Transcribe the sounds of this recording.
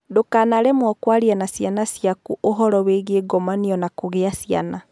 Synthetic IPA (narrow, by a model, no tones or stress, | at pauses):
dokanaɾɛmwɔkwaɾianasjanasjakuʔoɦɔɾɔweɣeɡɔmaniɔnakoɣeasia̰na